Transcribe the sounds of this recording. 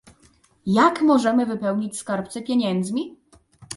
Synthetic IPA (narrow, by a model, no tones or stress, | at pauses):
jakmɔʐɛmɘvɘpɛwɲit͡ɕskaɾpt̪sɛpʲjeɲɛnd̪zmʲi